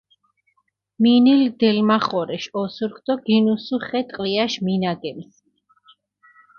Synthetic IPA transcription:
minild̪ɛlmaχɔɾɛʃɔsuɾkʰd̪̥ɔɡinusuχɛt̪ʼqʼliaʃminaɡɛms

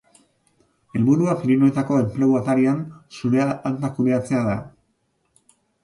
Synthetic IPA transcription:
e̞lβuɾuafiɾinoet̪ako̞e̞mple̞uat̪aɾiansuɾeaant̪akuɾeat͡se̞aða

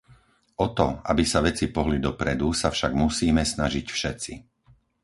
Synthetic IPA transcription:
ɔt̪ɔa̰bisaʋɛt͡sipɔɦlid̪ɔpɾɛd̪usafʃaɡmusiːmɛsnaʒicfʃɛt͡si

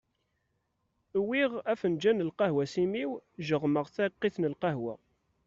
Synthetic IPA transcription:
wiʁæfənd͡ʒænəlqɑɦwæsimiwʒəʁməʁθæqːiθnəlqɑɦwæ

